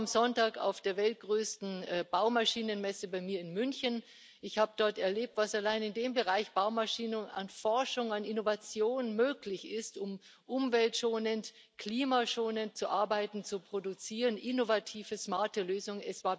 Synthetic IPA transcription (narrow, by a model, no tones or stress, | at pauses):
amzɔntaːka̰ʊfd̥eːɐvɛlt̚ɡ̥ʁøːstn̩ɛb̥aʊmaʃiːnənmɛsəbaɪmiːɐɪnmʏnçən | ʔɪçhaːbəd̥ɔɐtɛɐleːp̚tv̥asalaɪnɪndeːmbəʁaɪçb̥aʊmaʃiːnəna̰nfɔɐʃʊŋanɪnovat͡sjoːnmøːklɪçɪstʊm | ʔʊmvɛltʃoːnənt | kʰliːmaʃoːnənt͡suʔaɐbaɪtn̩t͡supʁ̥odʊt͡siːʁənʔɪnovatʰiːvəsmaɐtəløːzʊŋənɛsv̥aːɐ